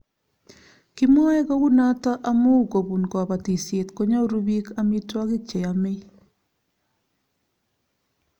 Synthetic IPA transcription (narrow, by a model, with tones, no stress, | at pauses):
kɪ˦mɔ˦ɛ˦ko˦wu˦na˦tɔ˦ʔa˦mʊ˦˨ko˨bu˨nkɔ˨ba˨ti˨sje˨tko˦ɲo˦ɾu˦bi˦ka˦mi˦twa˦kɪ˦t͡ʃe˨a˨mɪ˦